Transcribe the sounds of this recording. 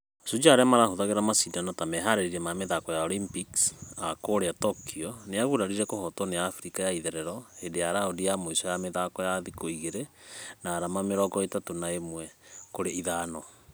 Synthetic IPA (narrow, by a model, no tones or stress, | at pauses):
osud͡ʒaːɾeamaɾahoðaɣeɾamasidanɔtamɛɦaɾeɾiɾɛmameðakɔjaɔlimpiksakoɾeatɔkʰiɔneaɣuɾaɾiɾɛkohɔtɔnejaːfɾikajaiðɛɾɛɾɔhedejaɾaodijamoisɔjameðakɔjaðikoiɣeɾɛnaːɾamameɾɔɡɔetatonaemwɛkoɾeiðaːnɔ